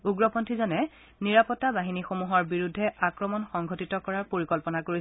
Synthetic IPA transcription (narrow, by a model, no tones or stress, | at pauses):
uɡɹɔpʰɔntʰizɔnɛ | niɹapɔtːabaɦinixomuɦɔɹbiɹudʱːɛʔakɹɔmɔnxɔŋɡʱotitɔkɔɹaɹpoɹikɔlpɔnakoɹi